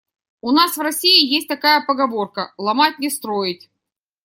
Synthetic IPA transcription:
ʊnasvrɐsʲiɪjesʲtʲt̪ɐkajəpəɡɐvo̞rkəlˠɐmat̚ʲnʲɪst̪ɾojɪtʲ

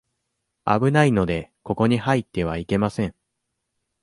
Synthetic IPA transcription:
a̰bɯ̟naino̞d̪e̞ko̞ko̞ɲ̟ihait̪ːe̞β̞aike̞masẽ̞ŋ

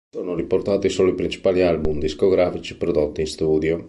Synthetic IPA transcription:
soːnoriport̪aːt̪isoːloipɾint͡ʃi̥paːlialbumd̪iskoɡɾaːfit͡ʃi̥pɾod̪ot̪ːiːnst̪uːd̪jo

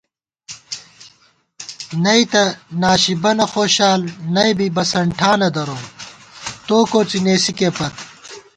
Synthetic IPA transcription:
nɐit̪ɐnaːɕibɐnɐxoːɕaːlnɐjbibɐsɐɳʈʰaːnɐd̪ɐɾoː | t̪oːkoːt͡sineːsikepɐt̪̚

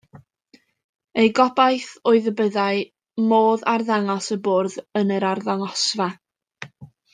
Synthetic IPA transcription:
ejɡɔbajθoɨðəbəðaɨ | moːðarðaŋɔsəboːrðənəɾarðaŋɔsva

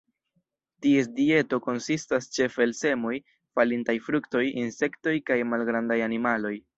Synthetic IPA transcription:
tie̞sdie̞to̞ko̞nsistast͡ʃe̞fe̞lse̞mo̞j | falintajfɾukto̞jinse̞kto̞jkajmalɡɾandajanimalo̞j

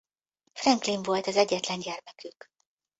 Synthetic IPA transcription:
frɛŋklinvo̞lt̪ɒzɛɟːɛt̪lɛnɟɛrmɛkyk

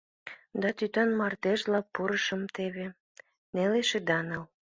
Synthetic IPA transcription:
d̪ɑt̪yt̪ɑnmɑrd̪eʒlɑpːuɾəʃəmt̪eβe | neleʃed̪ɑnəl

